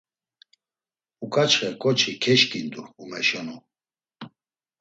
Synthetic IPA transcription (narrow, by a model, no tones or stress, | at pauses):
ukʰʼat͡ʃχɛkʼɔt͡ʃʰikʰɛʃkʼind̪uːmɛʃɔnu